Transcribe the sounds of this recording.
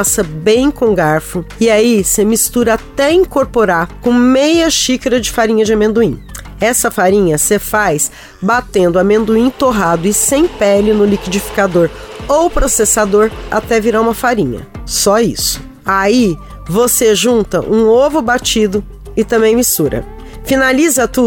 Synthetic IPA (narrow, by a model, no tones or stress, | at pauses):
sɐbẽj̃kõɡaɾfʊɪaisemist̪uɾɐat̪ɛĩŋkoɾpoɾakõmejɐʃikɐɾɐd͡ʒɪfaɾĩɲɐd͡ʒɪamẽnd̪uĩ | ɛsɐfaɾĩɲɐsefajs | bat̪ẽnd̪ʊɐmẽnd̪uĩt̪oɦad̪ʊɪsẽj̃pɛlɪnʊlikid͡ʒifi̥kad̪oɾowpɾosesad̪oɾa̰t̪ɛviɾaũmɐfaɾĩɲɐ̰sɔḭsʊ̥ | ai | voseʒũnt̪ɐʔũovʊbat͡ʃid̪ʊ | ɪt̪ɐ̃mbẽj̃mist̪uɾɐ̰ | finalizɐt̪u